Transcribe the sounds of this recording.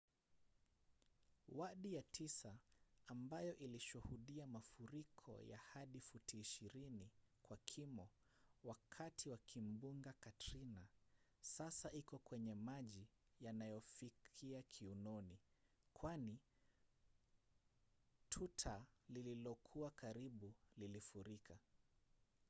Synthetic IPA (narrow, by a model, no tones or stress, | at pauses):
waɗijatʰisaːmbajɔʔiliʃuhuɗiamafuɾikʰɔ̰ja̰haɗifutiːʃiɾinikwakʰimɔ | wakʰatʰiwakʰim̩buŋɡakatɾina | sasaʔikɔkwɛɲɛmaʄi | janajɔfikʰiakʰiunɔni | kʰwani | tʰutʰalililɔkʰuakaɾiɓulilifuɾikʰa